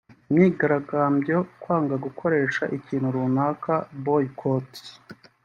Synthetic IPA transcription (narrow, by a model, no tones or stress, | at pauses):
miːɡaɾaɡaːmbjo̞kwaːŋɡaɡukʰo̞ɾe̞ːʃaʔiciːnhuɾunaːkʰabojkʰot